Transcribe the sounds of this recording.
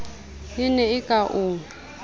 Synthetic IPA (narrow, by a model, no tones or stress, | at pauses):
ɪnɛɪkʼaʔuːŋ